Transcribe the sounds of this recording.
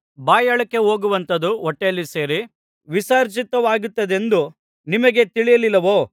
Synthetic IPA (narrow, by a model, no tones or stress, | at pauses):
baːjɐɭɐkːe̞ɦoːɡuʋɐnt̪ɐd̪uɔʈːeɐlːise̞ːɾi | ʋisaːɾt͡ʃit̪ɐʋaːɡut̪ːɐd̪e̞nd̪u | nimɐɡe̞t̪iɭijɐlilːɐʋoː